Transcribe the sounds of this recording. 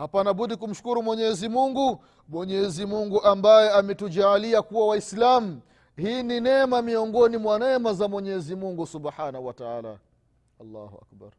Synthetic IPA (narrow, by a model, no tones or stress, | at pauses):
hapanaɓuɗikum̩ʃu̥kuɾumwɛɲɛzimuŋɡu | mwɛɲɛzimuŋɡuʔambajɛamɛtud͡ʒaːliakuwawaislamu | hiːninɛmamiɔŋɡɔnimwanɛmazamwɛɲɛzimuŋɡusubħaːnahuwataaːla̰ | alːa̰ːhuʔa̰k̚ba̰ɾ